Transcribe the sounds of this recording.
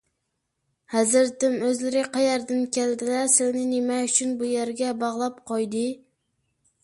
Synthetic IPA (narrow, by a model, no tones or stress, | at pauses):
hæzɪɾt̪ɪmøzlɪɾɪqʰɑjæɾd̪ɪnkʲʰæld̪ɪlæsɪznɪnemɛyt͡ʃʰynbujæɾɡʲɛbɑʁlˠɑp̚qʰojd̪ɪ